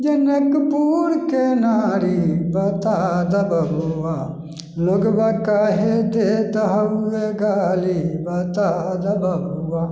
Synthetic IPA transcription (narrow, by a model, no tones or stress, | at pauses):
d͡ʒenekpuːɾkenaːɾibɐt̪aːd̪ɐbɐɦuʋa | loɡbakaːɦed̪et̪ɐɦɐʋeɡaːlibɐt̪aːd̪ɐbɐɦuʋa